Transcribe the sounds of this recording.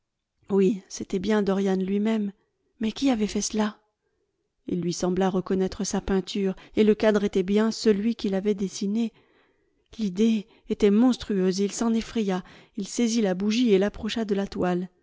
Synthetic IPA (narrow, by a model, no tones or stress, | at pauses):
wiset̪ɛbjɛ̃d̪ɔʁjanlɥimɛmː | ɛkʲiavɛfɛsəla | ḭlːɥisɑ̃blaʁəkɔnɛt̪χəsapɛ̃t̪ʰyʁeləkad̪ʁet̪ɛbjɛ̃səlɥikʲilavɛd̪esine | lid̪e | et̪ɛmɔ̃st̪χyøzilsɑ̃nefχɛjailsezilabuʒielapχɔʃad̪əlat̪wal